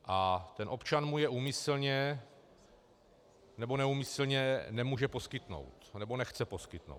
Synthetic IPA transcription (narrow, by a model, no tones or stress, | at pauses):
ʔat̪ɛnʔo̞pt͡ʃanmujɛʔuːmɪsl̩ɲɛ | nɛbo̞nɛumɪsl̩ɲɛnɛmuːʒɛpo̞skɪt̪no̰wt̪nɛbonɛxt͡sɛpo̞skɪt̪no̰w